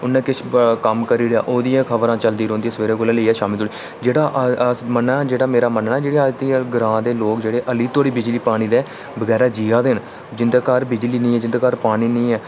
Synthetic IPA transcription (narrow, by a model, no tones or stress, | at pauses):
ʊnːɛ̃ːkɪt͡ʃkəmkəɾiːɾja̰ːʔoːd̪ijãːkʰəbəɾãːt͡ʃəld̪iːɾõːnd̪iːãsʋeːɾeːkolɛ̃ːləiːɛːʃaːmɪlt̪oːɽiː | d͡ʒeːɽaːʔsmənaːd͡ʒeːɽaːmeːɾaːmənːaːd͡ʒeːɽiaːt̪iːɛːɡəɾãːd̪eːloːkd͡ʒeːɽeːʔəliːt̪ʰoːɽiːbɪd͡ʒliːpaːɽ̃iːd̪ɛː | bəɡɛːɾaːd͡ʒiːaːd̪ɪn | d͡ʒɪnd̪eːkəɾbɪd͡ʒliːnə̃ːɛːd͡ʒɪnd̪eːkəɾpaːɽ̃iːnĩːɛː